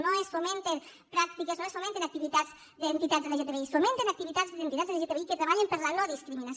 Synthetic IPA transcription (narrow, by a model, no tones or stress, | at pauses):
noesfomẽnt̪en | pɾak̚t̪ikesnoesfomẽnt̪enak̚t̪iβit̪atz | d̪ent̪it̪azðeeʒet̪eβeisfomẽnt̪enak̚t̪iβit̪azðent̪it̪azðeʒet̪eβeiket̪ɾeβaʎempəɾlalɔðiskɾiminas